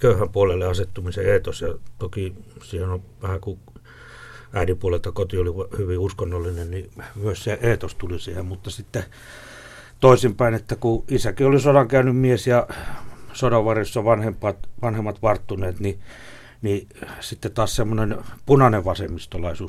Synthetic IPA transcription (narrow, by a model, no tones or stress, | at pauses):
køyhæmpuolelːeɑset̪ːumiseeːt̪osjɑt̪okisiːhenoʋæhæku | æˑinipuolelt̪ɑkot̪ioliʋhyʋiuskonːolːinennimyøsseʔeːt̪ost̪ulisiːhemmut̪ːɑsit̪ːe | t̪oisimpæinet̪ːækuisækiolisodɑŋkæynymmiesjɑ | sodɑʋʋɑrjosːɑʋɑnhempːˑɑːt̪ʋɑnhemːɑt̪ʋɑrt̪ːuneːt̪ni | ni | sit̪ːet̪ɑːssemːonenpunɑneʋʋɑsemːist̪olɑisuːs